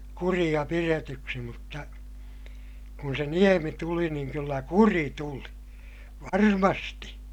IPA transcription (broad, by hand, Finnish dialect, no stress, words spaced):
kurij̆ɑ piretyksi mutːɑ kun se niemi tuli niːŋ kylːæ kuri tuli ʋɑrmɑsti